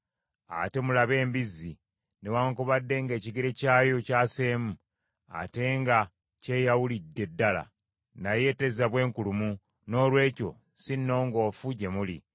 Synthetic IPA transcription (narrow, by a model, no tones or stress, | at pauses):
a̰te̞mulaβe̞ːmbizi | newaːŋkuβadːe̞ŋɡe̞ːciɡeɾe̞caːjo̞caːseːmu | a̰te̞ŋɡa | ce̞jawulidːe̞dːala̰ | naje̞te̞zaβwe̞ːŋkulumu | no̞ːlwe̞ːco̞̰ | sinːo̞ːŋɡo̞ːfuɟe̞muli